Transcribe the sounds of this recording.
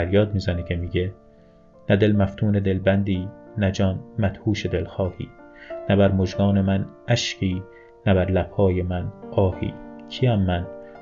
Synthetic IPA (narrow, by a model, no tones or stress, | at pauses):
æɾjɒːd̪miːzænicʰe̞miːɡe | næd̪e̞lmæft̪ʰuːne̞d̪e̞lbænd̪iːnæd͡ʒɒːnmæt̪huːʃed̪e̞lxɒːhḭː | næbæɾmoʒɡɒːne̞mæn | æʃcʰiː | næbæɾlæbhɒːjemænɒːhḭːkʰiːæmːæn